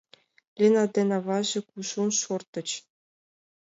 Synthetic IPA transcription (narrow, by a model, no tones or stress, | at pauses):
lʲenɑd̪ʲenɑvɑʑɘ̆kuʃunʃort̪ɤ̆t͡ɕ